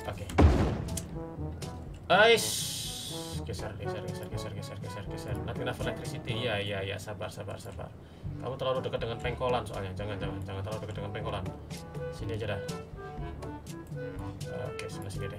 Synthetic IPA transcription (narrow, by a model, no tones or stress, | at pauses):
oke | əjs | kɛsɛrɛsɛrkɛsɛrkɛsɛrkɛsɛrkɛsɛrkɛsɛrnakminafelɛk̚t̪ɾisit̪ijaijaja̰saba̰rsaba̰rsaba̰r | ka̰mut̪əɾlaludəkət̪̚dəŋanpɛŋkolansoa̰lɲad͡ʒaŋand͡ʒaŋand͡ʒaŋant̪əɾlaludəkət̚dəŋanpɛŋkolansiniad͡ʒadah | o̰kesinasindidɛ